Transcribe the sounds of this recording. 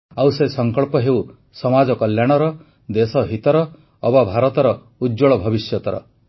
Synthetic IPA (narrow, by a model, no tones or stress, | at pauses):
awsesɔŋkɔɭpɔɦew | sɔmad͡ʒɔkɔljaɽ̃ɔɾɔ | d̪esɔɦit̪ɔɾɔː | babʱaɾɔt̪ɔɾɔ | uɔɭɔbʱɔbisjɔt̪ɔɾɔ̰